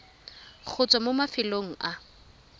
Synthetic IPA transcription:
k͡xʰʊt͡sʼɔmʊmafɪloŋ̩ʔa

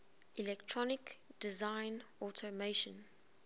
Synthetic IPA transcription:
ʔilɛktʰɹɔnɪkd̥izãɪnʔɔtʰəmeʃə̃n

